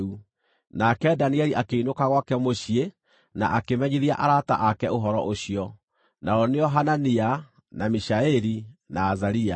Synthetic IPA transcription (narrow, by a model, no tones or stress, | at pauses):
u | nakɛdaniɛɾiʔakeinokaɣwakɛmoɕie | na̰ʔakemɛɲiðiaʔaɾata̰ʔakɛoɦɔɾɔʔoɕiɔ | naɔneɔɦanania | namiɕaeɾinaːzaɾia